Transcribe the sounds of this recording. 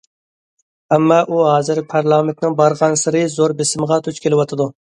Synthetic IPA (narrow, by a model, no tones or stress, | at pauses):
ɛmːɑʔuɦɑːzɨɾpʰɑɾlˠɑːment̪nɪŋbɑɾʁɑnsɨɾɨzoɾbesɪməʁɑt̪ʰut͡ʃkʲʰelɪwɑt̪ʰɨd̪u